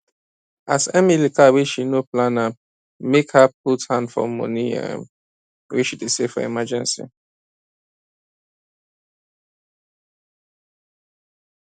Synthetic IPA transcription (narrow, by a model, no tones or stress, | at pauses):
a̰sɛmilikawiʃinoplãna | mekhap̚uthãnfɔ̰mɔ̰̃niɛ̰ | wiʃidesefɔ̰ɛ̰mad͡ʒɛ̃nsḭ